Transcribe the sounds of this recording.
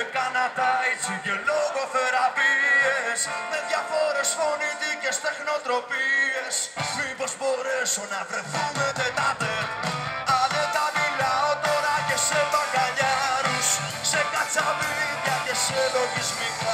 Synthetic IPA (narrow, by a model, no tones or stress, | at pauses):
kanat̪ait͡siceloɣoθeɾapiesmeðjafoɾesfonit̪icest̪exno̞t̪ɾopiesmipospoɾesonapɾeθumet̪et̪ateɾaðet̪avilaot̪oɾaʝesepaɡaʎaɾus | sekat͡saviðjacesoloʝizmik